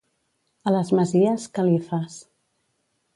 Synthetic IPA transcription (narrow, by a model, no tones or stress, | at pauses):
ələzməziəskəlifas